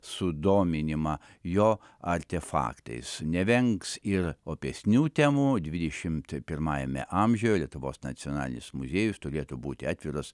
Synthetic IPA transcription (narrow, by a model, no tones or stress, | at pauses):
sʊd̪oːmʲɪnʲɪmɐ | joː | ɐɾʲt̪ʲɛfɑ̰ːkt̪ɐ̰ɪsnʲɛʋʲɛŋksɪɾoːpʲɛsʲnʲuːt̪ʲɛmuːd̪ʲʋʲɪd̪ʲɛʃʲɪmt̪pʲɪrmɑːjɛmʲɛ̰ʔɐmʲʒʲɛjolʲiɛt̪ʊʋo̰ːsnɐtt͡s̪sʲionɑ̰ːlʲɪ̰nʲɪsmʊzʲeːjʊst̪ʊɾʲeːt̪ʊbuːt̪ʲɪɑːt̪ʲʋʲɪɾos